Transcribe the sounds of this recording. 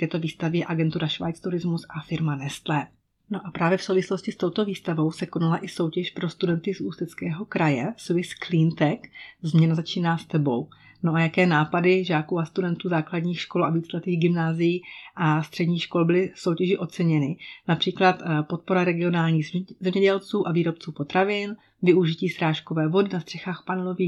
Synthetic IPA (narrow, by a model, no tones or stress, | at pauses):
t̪ɛːt̪o̞viːst̪avɪɛʔaɡɛnt̪uɾaʃva̰jt͡st̪uɾɪzmusafɪɾmanɛst̪lɛː | no̞ʔapɾaːvjɛfsowvɪslo̞scɪst̪o̞wt̪o̞viːst̪avo̞wsɛko̞nalaʔɪso̞wcɛʃpɾo̞st̪udɛnt̪ɪzuːst̪ɛt͡skɛːɦo̞kɾajɛsuvɪsklint̪ɛkzmɲɛnazat͡ʃiːnaːst̪ɛbo̞w | noʔajakɛːnaːpadɪʒaːkuːast̪udɛnt̪uːzaːkladɲiːxʃkolaviːt͡slɛt̪iːɣɡɪmnaːzɪjiːʔast̪r̝̥ɛdɲiːxʃko̞lbɪlɪsowcɛʒɪʔo̞t͡sɛɲɛnɪnapr̝̥iːklat̪po̞t̪̚po̞ɾaɾɛɡɪo̞naːlɲiːɣzɛmɲɛɟɛlt͡suːʔaviːɾo̞p̚t͡suːpo̞t̪ɾavɪn | vɪuʒɪciːsɾaːʃko̞vɛːvo̞dɪnast̪r̥ɛxaːxpanɛlo̞viː